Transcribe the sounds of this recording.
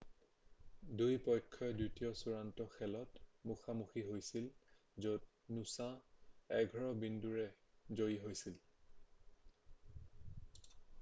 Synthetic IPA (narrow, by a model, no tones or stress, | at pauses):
dujpɔjkʰːɔɛditijɔsuɹantɔxɛlɔtmuxamuxiɦojsil | zot̚ | nusãɛɡʱɔɹɔbinduɹɛzojiɦojsil